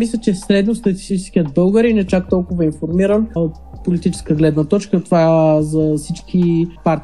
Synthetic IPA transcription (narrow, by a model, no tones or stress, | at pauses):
mislʲət͡ʃɛsɾɛd̪nost̪ɐt̪ʲi̥st̪it͡ʃɛskʲiəd̪̚bɤlˠɡəɾinɛt͡ʃak̚t̪ɔlˠkʊvəinfoɾmiɾənot̪ | polit̪it͡ʃɛ̥skəɡlɛd̪nət̪ɔt͡ʃkət̪ovazɐsit͡ʃkʲipaɾt̪